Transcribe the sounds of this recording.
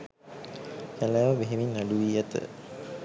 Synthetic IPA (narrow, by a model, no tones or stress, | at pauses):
kælæːʋəbeɦemiɲːaɖuʋiːat̪ə̰